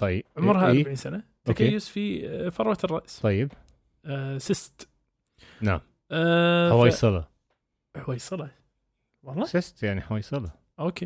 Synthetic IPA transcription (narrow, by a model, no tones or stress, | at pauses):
t̪ˤɑjːɪʕʊmʊɾˤhaʔɾbaʕiːnsanaʔ̪okejʊsfifɑɾˤwɑt̪rˤːɑʔsˤɑjːɪb | sɪst̪ | naʕm | ʔħawaːjisˤɑlɑ̰ | ħawaːjisˤɨlɑ | wɑlˤːɑsɪst̪jaʕniħawaːjsˤɑlɑ | ʔoke